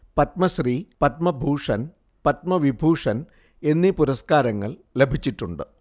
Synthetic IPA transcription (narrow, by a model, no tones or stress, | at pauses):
pɐt̪̚mɐɕripɐt̪mɐbʱuːʂɐn | pɐt̪̚mɐʋibʱuːʂɐn | e̞nːipuɾɐskaːɾɐŋːɐ̰ɭlebʱit͡ɕːiʈːuɳɖɨ